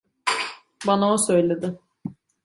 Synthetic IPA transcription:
banaosø̞jlʲe̞d̪ɪ

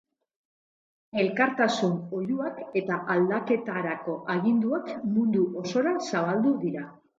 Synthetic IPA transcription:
e̞lkaɾt̪asuno̞ʎuake̞t̪aʔald̪ake̞t̪aɾako̞ʔaɣind̪uekmund̪uʔo̞so̞ɾasaβ̞ald̪uðiɾa

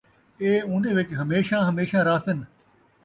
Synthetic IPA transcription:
eːũːnd̪eːʋɪt͡ʃɦəmeːʃãːɦəmeːʃãːɾaːsɪn

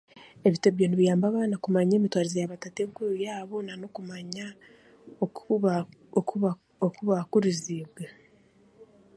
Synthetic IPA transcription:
e̞βiteβjoniβijaːmbaβaːnakumaɲe̞ːmitwaːɾezejaβatateŋkuɾujaːβo̞nano̞kumaɲa | okuβakuɾiziːβɡe

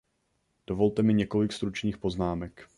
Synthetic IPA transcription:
d̥ovo̞lt̪ɛmɪɲɛko̞lɪkst̪ɾut͡ʃniːxpo̞znaːmɛk

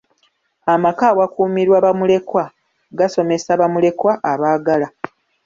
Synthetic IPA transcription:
amakaːwakuːmiɾwaːβamule̞kwa | ɡaso̞me̞saβamule̞kwaʔaβaːɡala

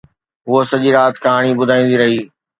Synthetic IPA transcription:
ɦʊosɐʄiːɾaːt̪kaːɽ̃ibʊd̪ʱaːĩːn̆d̪iɾɐɦiː

